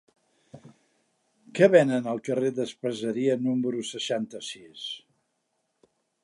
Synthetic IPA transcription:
kɛβɛnənəlˠkəreðəspəzəɾiənuməɾusəʃant̪əsis

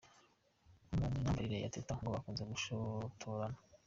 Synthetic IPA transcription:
muminambaɾiɾeja̰tetaŋɡoβakuːnzemuʃotʰoɾana

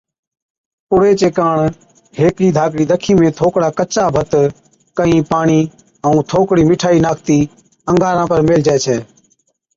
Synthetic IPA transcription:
pʊɽeːt͡ʃeːkaːɳ | heːkiːd̪ʱaːk̬ɽiːd̪əkʰiːmẽːt̪ʰoːkɽaːkət͡ʃaːbʱət̪ | kəĩːpaːɳiː | əũːt̪ʰoːkɽiːmɪʈʰaːiːnaːkʰt̪iː | əŋɡaːɾãːpəɾmeːld͡ʒaːt͡ʃʰɛː

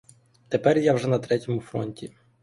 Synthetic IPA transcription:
t̪epɛrjawʒɛnɐt̪ɾɛtʲɔmʊfɾɔ̰nʲtʲi

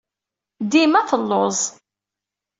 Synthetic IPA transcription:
d̪imæθəlːozˤ

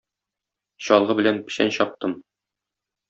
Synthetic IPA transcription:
ɕɒlˠʁɤbɘ̆lænpɘ̆ɕæ̰nɕɒp̚t̪ɤm

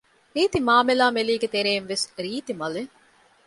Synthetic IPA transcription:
ɾiːt̪imaːmelaːmeliːɡet̪eɾeːnʋesɾiːt̪imɐle

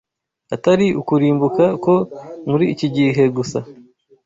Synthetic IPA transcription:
ataɾiukuɾiːmbukako̞muɾiːciɟiɦe̞ɡusa

